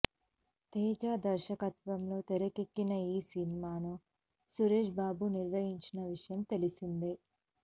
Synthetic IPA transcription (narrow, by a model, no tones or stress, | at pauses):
t̪ɛːd͡ʒaːd̪ɐɾʃɐkɐt̪ʋɐmlo̞ːt̪eɾɐkekːinɐiːsinimaːnu | suɾeːʂbaːbuniɾʋɐjiɲt͡ʃinɐʋiʂɐjɐmt̪e̞lisind̪i